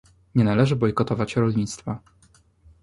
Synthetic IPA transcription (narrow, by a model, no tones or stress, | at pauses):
ɲɛnalɛʐɘbɔjkɔt̪ɔvat͡ɕɾɔlɲit̪st̪fa